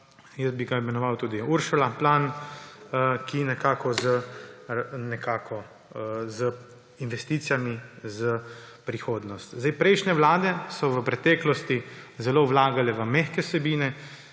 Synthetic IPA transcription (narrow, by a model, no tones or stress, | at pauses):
jəsbiɡaimɛnɔʋawt̪uːd̪iuɾʃulaplaːn | kinɛkaːkɔzə | nɛkaːkʰɔ | zə | inʋɛst̪iːt̪sijamizə | pɾixoːd̪nɔst̪zd̪ajpɾɛjʃnɛwlaːd̪ɛsɔʋəpɾɛt̪ɛːklɔst̪izɛloʋlaːɡalɛʋəmɛxkɛsɛbiːnɛ